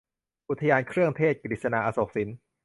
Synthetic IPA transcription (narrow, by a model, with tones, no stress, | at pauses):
ʔu˧˩t̪ʰːa˧jaː˧nkʰɾɯ˥˩əŋt̪ʰeː˥˩t̪̚kɾiː˨˩t̪̚sa˧naː˧ʔaː˧so˨˩k̚si˩˦n